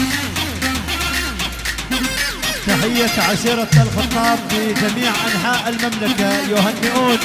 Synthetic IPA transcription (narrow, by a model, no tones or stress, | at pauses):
t̪aħɪjːaʕaʃiːɾˤɑalxɨt̪ˤɑːbfid͡ʒamiːʕʔanħaːʔalmamlakajʊɦanːɪʔuːn